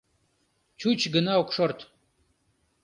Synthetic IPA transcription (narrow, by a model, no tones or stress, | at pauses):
t͡ʃʰut͡ʃʰɡɨnawkʰʷʂort̪ʰ